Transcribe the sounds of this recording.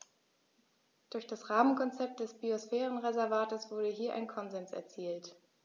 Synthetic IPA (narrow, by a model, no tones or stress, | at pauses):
d̥ʊɐçd̥asʁaːmənkʰɔnt͡sɛp̚t̚d̥ɛsb̥iosfɛːʁən̩ʁezɛɐvaːtəsv̥ʊɐdəɦiːɐʔa̰ɪnkʰɔnzɛnsɛ̰ɐt͡siːlt